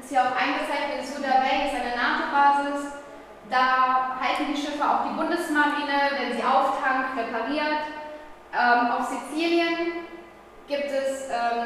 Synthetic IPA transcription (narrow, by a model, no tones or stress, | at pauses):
ɪshiːɐaʊfʔaɪnɡət͡saɪtɪzudavɛɪɪstaɪnəɐnaːχbaːzɪs | d̥aːhaltn̩diːʃɪfəaʊxd̥iːbʊndəsmaʁiːnəvɛnziːʔaʊftʰaŋk̚tʁepʰaʁiːɐt | ʔɛːmʔaʊfz̥it͡siːljən | ɡ̥iːp̚tɛsʔɛːm